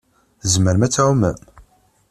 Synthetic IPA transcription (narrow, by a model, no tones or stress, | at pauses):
zməɾmæt͡sːæumæ̰m